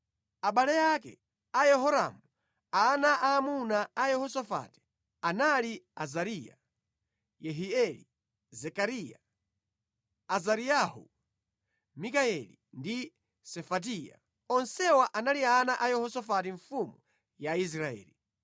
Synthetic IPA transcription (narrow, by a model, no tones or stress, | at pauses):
aɓalɛjakɛ̰ | ajɛɦɔɾa̰mu | anaʔaːmunaajɛhɔsɔfa̰ti̥ | analia̰zaɾija̰ | jɛɦiɛlḭ | zɛkaɾija | azaɾijahṵ | mikaɛlindi | sɛfat̬ija̰ | ɔnsɛwaʔanalianaʔajɛhɔsɔfat̬iɱfumu | jais̬ɾaɛ̰ːli